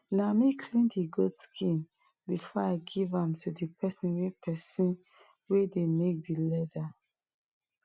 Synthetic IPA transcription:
namikʰlĩndiɡodskʰĩn | bifɔaɪɡivãmtʰudipʰɛsĩnwepʰɛsĩn | wedemek̚dilɛda

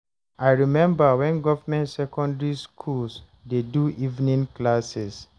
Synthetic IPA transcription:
aɪɹimɛ̃mbawɛ̃nɡɔvamɛ̃ntsɛkɔ̃ndɹiskʰuls | deduʔivnĩnklasɛs

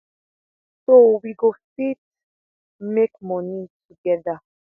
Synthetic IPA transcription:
t̪owiɡost̪it̪̚ | mekmɔnit͡ʃʰuɡɛd̪a

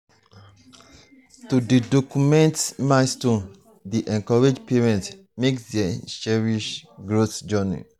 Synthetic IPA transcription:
tudidokumɛ̃ntmastõn | diʔɛ̃ŋkɔɹed͡ʒpeɹɛ̃nt | meksdaʃɛɹiʃɡɹoθd͡ʒɔnḭ

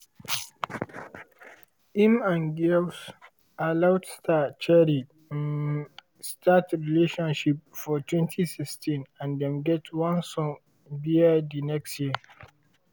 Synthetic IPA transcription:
ʔimãnɡils | alawtstat͡ʃɛɾi | statɾileʃɔ̃nʃip̚fɔtwɛ̃ntʰisɪstʰĩnãndɛ̃mɡɛtʰwãnsɔ̃ŋ | biədinɛkstji

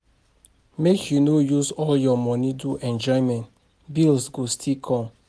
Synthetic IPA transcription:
mekʰjunojusɔljɔmɔ̃niduʔɛ̃nd͡ʒɔɪmɛ̃nt | bilsɡostʰikʰɔ̃m

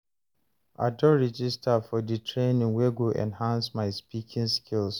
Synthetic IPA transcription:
ʔa̰dɔɹid͡ʒistafɔditʰɹẽnĩŋweɡoʔɛ̰̃nhãnsmaɪspikʰɪ̃ŋskʰils

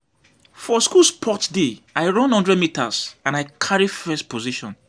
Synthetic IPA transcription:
fɔskuspʰɔtdeaɪɹɔ̃nhɔ̃ndɹɛdmitasãnaɪkʰaɹifɛstpʰoziʃɔ̰̃n

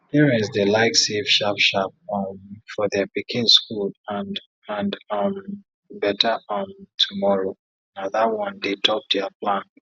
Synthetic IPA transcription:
hiɹĩnsðelaɪksevʃapʃap̚ʌmfɔðɛpikʰɪ̃nskulãn | ãndʌm | bɛtəʌmtʰumɔɹo | naðawɔ̃ndetʰɔp̚dɛaplãn

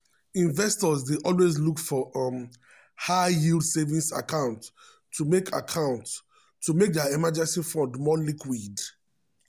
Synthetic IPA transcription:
ĩnvɛstɔzdeʔɔlwezlukfɔʔm | haɪjildsevĩnsa̰kʰãʊ̃ntʰː | umekʰa̰kʰãʊ̃nts | tːumek̚dɛaɛmad͡ʒɛ̃nsifɔ̃ndmɔlikwid

